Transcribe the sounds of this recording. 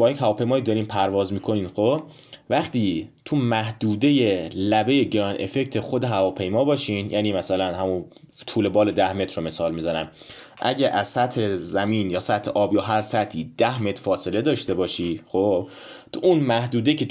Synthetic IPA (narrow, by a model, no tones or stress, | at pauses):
bɒːjecɦævɒːpʰe̞jmɒːjid̪ɒːɾiːmpʰæɾvɒːzmiːkʰoniːnxob | væχt̪ʰiːt̪ʰumæhd̪̥uːd̪e̞jelæbe̞jeɟeɾɒːne̞̰fe̞ct̪ʰe̞xod̪e̞ɦævɒːpʰe̞jmɒːbɒːʃiːnjæːniːmæsælænɦæmun | t̪ʰuːle̞bɒːle̞d̪æhme̞t̪ʰɾrome̞sɒːlmizɒnæm | ʔæɟæʔæzsæt̪he̞zæmiːnjɒːsæt̪ʰheʔɒːbjɒːɦæɾsæt̪ʰiːd̪̥æhme̞t̪ɾfɒːse̞le̞d̪ɒːʃt̪e̞bɒːʃiːxob | t̪ʰuʔunmæhd̪uːd̪e̞cʰe